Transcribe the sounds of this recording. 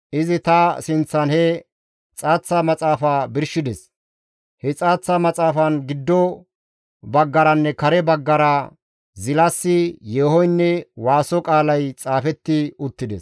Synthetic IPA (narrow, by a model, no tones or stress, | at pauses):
ʔɪzɪt̪ɐsɪnt͡sːɐnhɛ | t͡sʼaːt͡sːɐmɐt͡sʼaːfaːbɪɾʃɪd̪ɛs | hɛt͡sʼaːt͡sːɐmɐt͡sʼaːfɐnɡɪd̪ːɔ | bɐɡːɐɾɐnːɛkɐɾɛbɐɡːɐɾɐ | zɪlɐsːɪjeːhɔjnːɛwaːsɔkʼaːlɐjt͡sʼaːfɛt̪ːɪʊt̪ːɪd̪ɛs